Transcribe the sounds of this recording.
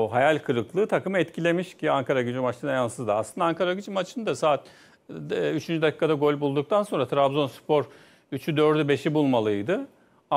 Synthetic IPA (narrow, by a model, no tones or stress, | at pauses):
ɦajalʲkʰɯɾɯklˠɯːt̪ʰakɯmɯɛt̪cʰilʲe̞miʃciaŋkʰaɾaɟyd͡ʒimat͡ʃt̪ʰɯnajansɯzd̪aa̰slˠɯnd̪aaŋkaɾaɟyd͡ʒimat͡ʃʰɯnd̪asaːt̪̚ː | yt͡ʃʰynd͡ʒyd̪acʰi̥ːkʰad̪aɡo̞lʲbulˠd̪uk̚t̪ʰanso̞nɾat̪ʰɾabzo̞nspʰo̞ɾ | yt͡ʃʰyd̪øɾd̪ybe̞ʃibulˠmalˠɯjd̪ɯ | a